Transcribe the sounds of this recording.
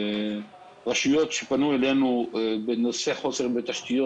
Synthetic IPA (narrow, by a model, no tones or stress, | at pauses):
ʁaʃujot̪ʃepanuelenubenoseχo̞seʁbet̪aʃt̪ijo